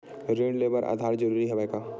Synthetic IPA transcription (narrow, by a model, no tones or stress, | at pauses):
ɾẽːɳɖleːbəɾʔa̰ːd̪ʱaːɾd͡ʒəɾuːɾiɦɛaeɡa